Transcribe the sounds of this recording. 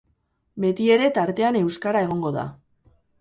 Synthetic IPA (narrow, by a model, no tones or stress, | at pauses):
be̞t̪ie̞ɾe̞t̪aɾt̪e̞ane̞wskaɾae̞ɣ̞o̞ŋɡo̞ða̰